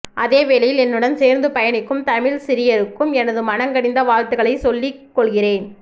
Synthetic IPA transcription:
ʔɐðeːʋeːlɐjɪlɛnrɯɽɐnseːɾnd̪ɯpɐjɐnɪkːɯmt̪ɐmɪɭsɪɾɪjɐɾɯkːɯmɛnɐðɯmɐnɐŋɡɐɽɪnd̪ɐʋaːɻt̪ɯɣɐɭɐɪsɔlːɪkːɔɭɣɪreːn

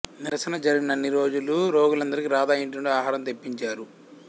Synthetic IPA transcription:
niɾɐsɐnɐd͡ʒɐɾiɡinɐnːiɾo̞ːd͡ʒuluɾoːɡulɐnd̪ɐɾikiɾaːd̪aːjiɳʈuɳɖiaːɦaːɾɐmt̪e̞pːiɲt͡ʃaːɾu

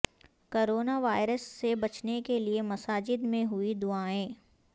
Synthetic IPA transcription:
koːɾoːnaʋaːɪɾəsːebɐt͡ʃnekeliemɐsaːd͡ʒɪd̪mẽɦʊid̪ʊaːẽː

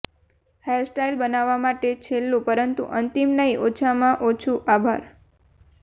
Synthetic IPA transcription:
hesʈajlbənaʋːamaʈet͡ʃʰelːũpəɾənt̪ṵʔənt̪imnəiʔot͡ʃʰamãʔot͡ʃʰuʔabʱa̰ɾ

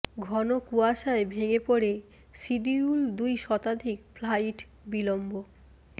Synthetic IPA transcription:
ɡʱɔnokuaʃaebʱeɡepoɽe | siɖiuld̪ujʃɔt̪ad̪ʱikflajʈ | bilombo

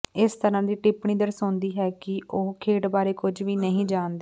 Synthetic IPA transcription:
ɪst̪əɾãːd̪iːʈɪpɳiːd̪əɾsõːnd̪iːɦɛːkɪoːkʰeːʈbaːɾeːkʊd͡ʒʋiːnəɦĩːd͡ʒaːnd̪eː

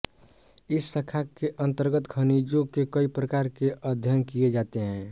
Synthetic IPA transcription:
ɪsːəkʰakeʔə̃nt̪əɾɡət̪kʰənid͡ʒõkekəipɾəkaɾkeʔəd̪ʱjənkied͡ʒaːt̪eɦɛ̃ː

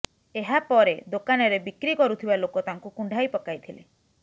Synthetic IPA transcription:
eɦapɔɾed̪okanɔɾebikɾikɔɾut̪ʰibalokɔt̪aŋkukuɳɖʱajpɔkajt̪ʰilḛ

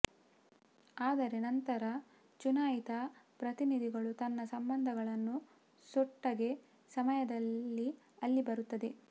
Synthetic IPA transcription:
aːd̪ɐɾe̞nɐnt̪ɐɾɐ | t͡ʃunaːjit̪ɐpɾɐt̪inid̪ʱiɡɐɭut̪ɐnːɐsɐmbɐnd̪ʱɐɡɐɭɐnːu | sɔʈːɐɡe̞ | sɐmɐjɐd̪ɐlːi | ɐlːibɐɾut̪ːɐd̪e

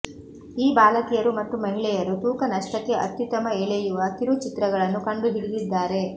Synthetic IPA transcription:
iːbaːlɐkijɐɾumɐt̪ːumɐɦilɛjɐɾut̪uːkɐnɐʂʈɐkːe̞ʔɐ̰t̪ːit̪ɐmɐeːɭɛjuʋɐt̪iɾut͡ʃit̪ɾɐɡɐɭɐnːukɐɳɖud̪iɽid̪id̪ːaːɾe̞

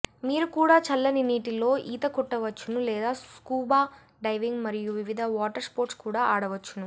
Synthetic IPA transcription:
miːɾukuːɽaːt͡ʃɐlːɐniniːʈilo̞ːʔḭːt̪ɐkɔʈːɐʋɐt͡ʃːunulɛːd̪aːkuːbaː | ɖɐjʋiŋɡmɐɾijuʋiʋid̪ʱɐʋaːʈɐɾspoːɾʈskuːɽaːaːɽɐʋɐt͡ʃːunu

